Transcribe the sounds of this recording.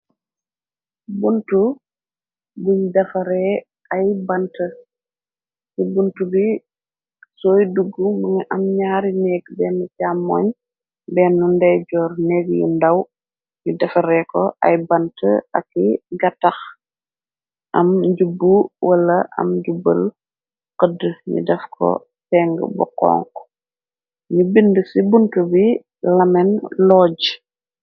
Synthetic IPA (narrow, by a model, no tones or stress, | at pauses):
buntu | buɲdɐfɐɾɛ | ɐjbɐntə | sibuntubi | sɔːjduɡːumɐŋɐʔɐmɲaːɾinɛːɡbɛːnːucamːɔːɲ | bɛːnːundɛɟɔːɾnɛːɡjṵndɐw | ɲudɛfɐɾɛkɔʔɐ̰jbɐntəɐ̰kːiɡɐtːɐx | ʔɐmɟubːuwʔɐlɐʔɐ̰mɟubə̰l | qədəɲṵdɛfkʰɔ̰ | tɛːŋɡə̰bɔ̰qɔ̰ŋk | ɲubindəsibuntubi | lɐmɛnlɔːɟ